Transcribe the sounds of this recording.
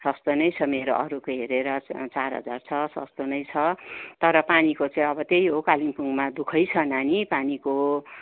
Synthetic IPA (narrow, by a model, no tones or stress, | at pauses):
sʌst̪onʌjt͡sʰʌmeɾoʔʌɾukoɦeɾeɾʌt͡sarɦʌ̰d͡zart͡sʰʌsʌ̰st̪onʌjt͡sʰʌt̪ʌɾʌpanikot͡saĩʌbʌt̪ejɦokalimpuŋmad̪ukʰʌjt͡sʰʌnanipaniko